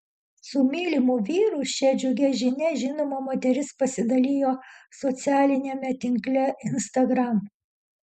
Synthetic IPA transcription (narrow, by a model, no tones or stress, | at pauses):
sʊmʲiːlʲɪmʊʋʲiːɾʊʃʲɛd͡ʒʲʊɡʲɛʒʲɪnʲɛʒʲɪnoːmomoːt̪ʲɛɾʲɪspɐsʲɪd̪ɐlʲiːjoːsɔt̪sʲæːlʲɪnʲemʲɛt̪ʲɪŋklʲɛɪnst̪ɐɡɾɐm